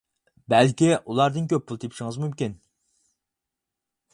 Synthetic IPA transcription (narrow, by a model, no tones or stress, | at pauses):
bɛlkʲiʔulˠɑɾd̪ɨnkʲøp̚ʰːulˠt̪ʰepʰi̥ʃiŋɨzmymkʲin